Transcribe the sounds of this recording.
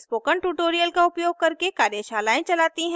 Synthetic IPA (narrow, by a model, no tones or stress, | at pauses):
spoːkəɳʈuːʈoːɾijəlkaʊpjoːɡ̚kɐɾkekaːɾjəʃaːlaːẽt͡ʃɐlaːt̪iɦɛ̃